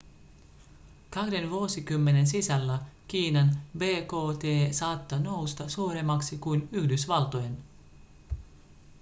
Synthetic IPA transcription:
kɑhde̞nʋuosikymːe̞ne̞nsisælːækiːnɑnbe̞ːko̞ːt̪e̞ːsɑːt̪ːono̞wst̪ɑsuːɾe̞mːɑksikujnyhdysʋɑlt̪ojen

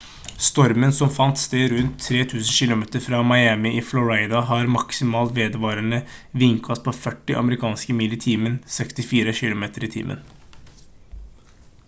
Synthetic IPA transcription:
st̪ɔɾmənsɔmfɑnt̪st̪eːɾʉnt̪ʰːɾeːt̪ʰʉːsən̩ʃɪlʊmeːt̪əɾfɾɑːmɑɪæmɪʔɪflʊɹæɪd̪ɑɦɑɾmɑksɪmɑːlt̪ʋeːd̪əʋɑːɾənəʋɪŋkʰɑspʰoːfœʈːɪʔɑ̰məɾɪkʰɑːnskəmɪlːɪt̪ʰiːmənsɛkst̪ɪfiːɾəçɪlʊmeːt̪əɾɪt̪ʰḭːmʔə̰n

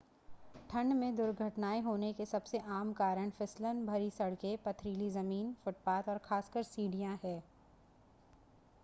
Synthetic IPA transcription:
ʈʰɐ̃ɳɖmẽd̪ʊɾɡʱəʈnaːeɦoːnekesɐbseʔaːmkaːɾəɽ̃fɪslənbʱɐɾisɐɽkepɐt̪ʰɾiːlizɐmiːnfʊʈ̚paːt̪ɔːɾxaːskəɾsiːɖijãɦɛː

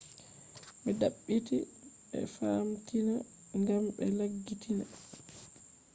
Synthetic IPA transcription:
mɛdaɓːitiɓɛ̰faːmtina | ŋɡamɓɛlaɡːitʰina

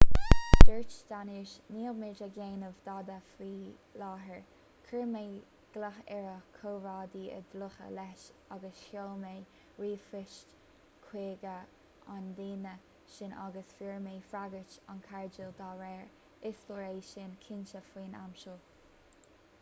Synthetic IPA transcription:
d̪̥əɹt͡ʃd̥̪aniɹʃniːlmɪɹd͡ʒəɡeːnəvd̪ɑd̪əfiː | lɑːɦəɹ | kʰəɹme | ɡ̥laxɛɹəkʰoːɹɑːd̪iːə̰d̪lʊxə̰lɛʃaɡəshoːlmeː | ɹiːfɾɪʃt | kʰweːɡə | ʔand̪iːnə | ʃɪna̰ɡəsfiɹmeːfɾaɡət͡ʃa̰nkʰaɹd͡ʒəld̪ɑːɾɛːɹ | ɪsləɹeːʃɪnkʰɪnt͡ʃəfwiːna̰mʃəlˠ

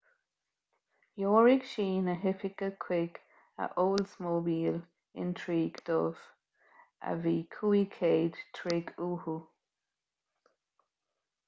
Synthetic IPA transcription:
joːɹɪɡ̥ʃiːnəɦɪpɪɡəkʰwɪɡ | ə̰ʔoːlsmoːbiːl | ɪ̰ntʰɹiːɡ̥d̪̥ɔːv | ə̰viːkʰuːikʰeːd̪̥tʰɹɪɡuːhu

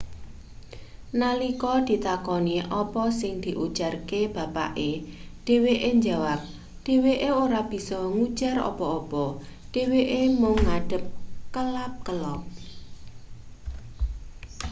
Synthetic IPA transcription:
nalikɔd̪̥i̤t̪akɔniʔɔpɔsɪŋd̪̥i̤ʔud̥ʒ̥a̤rkeb̥a̤pa̰ʔeɖ̥e̤weʔeɲd͡ʒa̤wap̚ | dɖ̥e̤weʔeoɾab̥i̤sɔŋud̥ʒ̥a̤rɔ̰pɔɔpɔɖ̥e̤weʔemʊŋːaɖ̥ə̤p̚kəlap̚kəlɔp̚

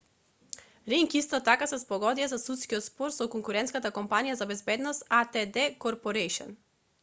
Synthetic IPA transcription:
ɾiŋkist̪ɔt̪akasɛspɔɡɔd̪iazasut̪skiɔt̪spɔɾsɔkɔŋkuɾɛnt̪skat̪akɔmpanijazabɛzbɛd̪nɔst̪at̪ɛd̪ɛkɔɾpɔɾɛjʃɔ̰n

